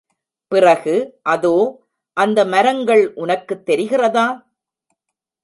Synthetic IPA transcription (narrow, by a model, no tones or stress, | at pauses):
pɪrɐɣɯʔɐðoː | ʔɐnd̪ɐmɐɾɐŋɡɐɭʔʊnɐkːɯt̪ːɛɾɪɣɪrɐðaː